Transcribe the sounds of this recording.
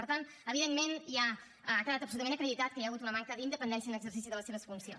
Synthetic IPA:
pəɾt̪an | əβiðemmenjaː | kəðat̪əpsulut̪əmẽnəkɾəðit̪at̪̚kəjaɣut̪unəmaŋkəðind̪əpənd̪ɛnsiənəɡzəɾrsisiðələseβəsfunsio

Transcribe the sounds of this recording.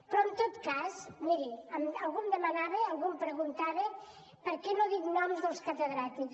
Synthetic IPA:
pɾɔənt̪ot̪kazmiɾiəməlˠɣumd̪əmənaβeəlˠɣumpɾəɣunt̪aβe | pəɾkɛnoðiknɔmzðəlˠskət̪əðɾat̪ik

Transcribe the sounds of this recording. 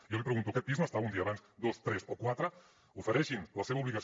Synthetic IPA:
ijɔlipɾəɣunt̪ukɛt̪̚pizməst̪aβund̪iəːβanzd̪ost̪ɾɛsokwat̪ɾə | ufəɾɛʃinləseβuβliɣəs

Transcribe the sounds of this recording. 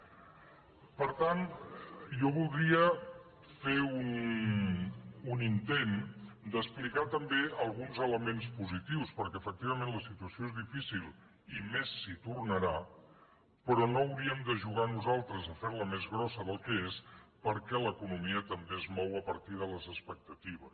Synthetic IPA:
pəɾt̪an | jɔβulˠd̪ɾiə | feun | unint̪end̪əsplikat̪əmbeəlˠɣunzələmenspuzit̪iwspəɾkɛəfək̚t̪iβəmẽnləsit̪uəsioezðifisilˠ | imesːit̪urnəɾa | pɾɔnoəwɾiəmd̪əʒuɣ̞anuzalˠt̪ɾəzəfeɾləmezɣɾɔsəðəlˠkəespəɾkɛləkunumiət̪əmbeəzmɔwəpəɾt̪iðələzəspək̚t̪ət̪iβ̞əs

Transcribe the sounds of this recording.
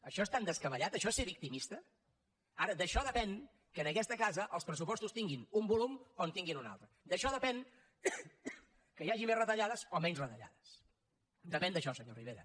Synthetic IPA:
əʃɔest̪and̪əskəβəʎat̪əʃɔeseβik̚t̪imist̪ə | aɾəd̪əʃɔðəpɛn | kənəkɛst̪əkazəʔəlˠspɾəsupɔst̪ust̪iŋɡinumbulumont̪iŋɡinuna̰lˠt̪ɾəd̪əʃɔðəpɛn | kəjaʒimezrət̪əʎaðəzomɛnzrət̪əʎa̰ðəs | d̪əpɛnd̪əʃɔsəɲoriβ̞eɾə̰

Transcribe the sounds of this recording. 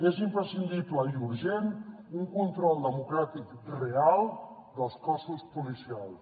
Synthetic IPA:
ezimpɾəsind̪ipləjuɾʒen | uŋkunt̪ɾɔlˠd̪əmukɾat̪ikrealˠ | d̪əlˠskɔsuspulisialˠs

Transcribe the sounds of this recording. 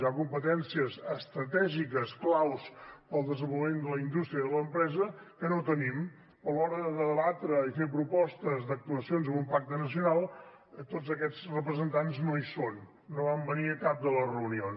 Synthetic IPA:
ʒakumpət̪ɛnsiəzəst̪ɾət̪ɛʒikəsklawspəlˠd̪əzəmbuləmend̪ələind̪ust̪ɾiəðələmpɾɛzə | kənot̪ənim | pəlɔɾəðəðəβat̪ɾəifep̬ɾupɔst̪əzd̪ək̚t̪uəsionzəmumpak̚t̪ənəs̬iunalˠ | t̪od͡zəkɛd͡zrəpɾəzənt̪anznoisonː | oβambəniəkap̚d̪ələrəunion

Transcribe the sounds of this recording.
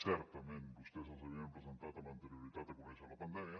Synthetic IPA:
sɛɾt̪ɐmẽnt̪ust̪ezlsɐβiɐmpɾezẽnt̪at̪ɐlɐnt̪eɾiuɾit̪at̪ɐkumɛsalɐpɐnd̪ɛmiɐ

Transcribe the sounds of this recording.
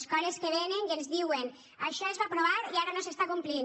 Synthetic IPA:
skɔɾeskeβ̞eneŋkenzðiwen | aʃɔezβapɾoβaɾiaɾanosest̪akumplin

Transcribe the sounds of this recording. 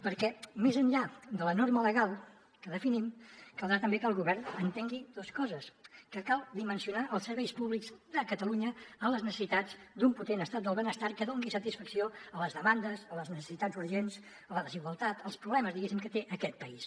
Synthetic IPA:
pəɾkɛmezəɲʎad̪ələnoɾmələɣalˠ | kəðəfinimkəlˠd̪ɾat̪əmbekəlˠɣuβɛɾnənt̪eŋɡid̪oskɔzəskəkalˠd̪imənsiunaʔəlˠsəɾβɛjspuβlikzd̪əkət̪əluɲəəmləznəsə̥sit̪ad͡zd̪umput̪enəst̪at̪̚d̪əlˠβənəst̪aɾkəðoŋɡisət̪isfəksioələzðəmand̪əzələznəsə̥sit̪ad͡zzuɾʒenz | ələðəziɣwəlˠt̪at̪əlˠspɾuβlɛməzðiɣesimkət̪eʔəkɛt̪̚pəis

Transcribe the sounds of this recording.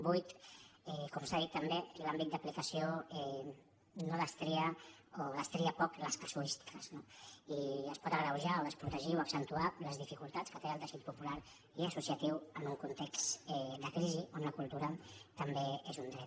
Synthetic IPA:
bujt̪ɛkɔmsaðit̪ːəmbelambit̪̚d̪əplikəsioɛ | noðəst̪ɾiəoðəst̪ɾiəpɔkləskasulist̪i̥kəz̥noiəspɔt̪əɣɾəwʒaoðəspɾut̪əʒioəksənt̪ualəzðifikulˠt̪at͡skət̪eəlˠd̪əsit̪̚pupulaɾ | iəsusiət̪iwənuŋkunt̪eksɛd̪əkɾiziʔonləkulˠt̪uɾət̪əmbeezund̪ɾɛt̪̚

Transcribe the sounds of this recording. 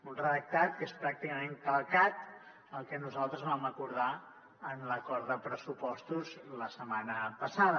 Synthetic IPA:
unrəðək̚t̪at̪̚kespɾak̚t̪ikəmeŋkəlˠkat̪ | əlˠkɛnuzalˠt̪ɾəzβaməkuɾða | ənləkɔɾðəpɾəsupɔst̪uzləsəmanəpəsaðə

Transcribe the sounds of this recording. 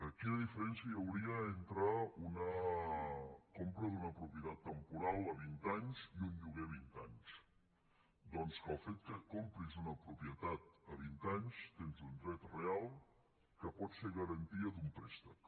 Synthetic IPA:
əkinəðifəɾɛnsjəəwɾiəent̪ɾəunə | kompɾəðunəpɾupjət̪at̪ːəmpuɾalˠəβint̪aɲziunʎuɣeəβint̪aɲs | d̪ɔnskəlˠfet̪̚kəkompɾizunəpɾupjət̪at̪əβ̞int̪aɲst̪enzund̪ɾɛt̪realˠ | kəpɔt̪seɣəɾənt̪iəd̪ump̪ɾɛst̪ək

